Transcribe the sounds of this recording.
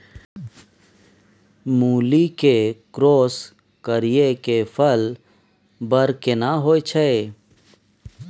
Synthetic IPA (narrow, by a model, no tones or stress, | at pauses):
muːlikekɾoːs | kəɾijekefəl | bəɾkenaɦoːet͡ʃʰe